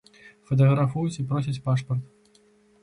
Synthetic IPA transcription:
fɐt̪̬ɐɣɾafujut͡sʲipɾɔsʲɐt͡sʲpaʂpɐrt̪

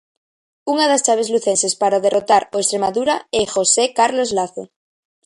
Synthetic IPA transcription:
uŋaðast͡ʃaβ̞e̞zluθensespaɾaðe̞rot̪aɾoest̪ɾemaðuɾaexosekaɾlozlaθe

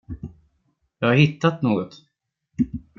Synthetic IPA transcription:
jɑːɡhaɾhɪt̪ːat̪noːɡɔt̪

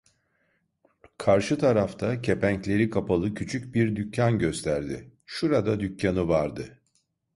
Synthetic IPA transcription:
kʰaɾʃɯt̪ʰaɾaft̪ʰacʰe̞pæɲclʲe̞ɾikʰapalˠɯcʰyt͡ʃʰyc̚biɾd̪ycːanɟø̞st̪ʰæɾd̪ɪʃuɾad̪ad̪ycːanɯvaɾd̪ɯ

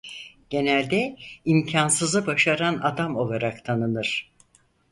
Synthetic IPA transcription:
ɟ̥e̞nælʲd̪ɛimcʰansɯzɯbaʃaɾanad̪amo̞lˠaɾakt̪ʰanɯnɯɾ̥

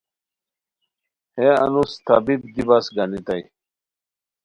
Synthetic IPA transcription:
heɐ̰nust̪ʰɐbibd̪ibɐsɡɐnit̪aj

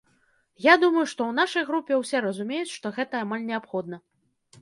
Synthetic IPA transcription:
jad̪umɐjuʂt̪ɔwnaʂɐjɣɾupʲːɛwsʲɛɾɐzumʲejut͡sʲʂt̪ɔɣɛt̪ɐːmalʲnʲɛapxɔd̪̚nɐ

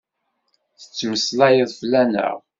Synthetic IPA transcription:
θə̥t͡sːwəslæjəðˤflænə̰ʁ

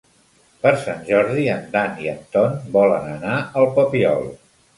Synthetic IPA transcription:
pəɾsanʲʒɔɾðiənd̪aniənt̪ɔnbɔlə̰nənaəlˠpəpiɔ̰lˠ

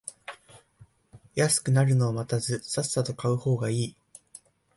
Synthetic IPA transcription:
jasɨ̥kɯ̟naɾɯ̟no̞ːmat̪azɨsasːat̪o̞kaɯ̟ho̞ːɡaiː

